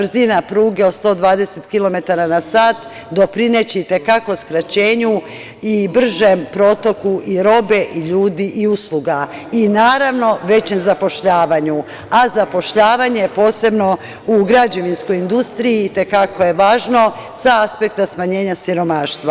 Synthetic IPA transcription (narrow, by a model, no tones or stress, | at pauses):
brzinapɾuːɡe̞ost̪o̞d̪ʋaːd̪e̞set̪kilˠo̞me̞t̪aɾanasaːt̪ | d̪o̞pɾine̞t͡ɕiit̪e̞kako̞skɾat͡ɕe̞ːɲu | ibr̩ʒempɾo̞t̪o̞kuʔiɾo̞be̞ʔiʎuːd̪iʔiuslˠuɡa | inaːɾaʋno̞ʋe̞t͡ɕe̞mzapo̞ʃʎaːʋaɲu | azapo̞ʃʎaːʋaɲe̞jepo̞ːse̞bno̞ | uɡɾad͡ʑoʋinsko̞jind̪ust̪ɾijiːt̪e̞kakʰo̞je̞ʋaːʒno̞ | saaspe̞k̚t̪asmaɲe̞ːɲasiɾo̞maːʃt̪ʋa